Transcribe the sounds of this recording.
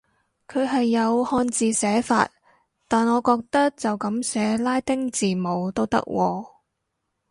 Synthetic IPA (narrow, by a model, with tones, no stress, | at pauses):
kʰɵ˨˧ɥɦɐ˨jːɐ˨˧whɔː˧nt͡siː˨˧sɛː˨˥fa̰ː˧t̚ | t̪aː˨nŋɔː˨˧kɔː˧k̚t̪ɐ˥k̚t͡sɐ˨wkɐ˨˥msɛː˨˥laː˥jt̪ɪ˥ŋt͡siː˨˩mo˨˧wt̪o˥wt̪ɐ̰˥k̚wʔɔː˧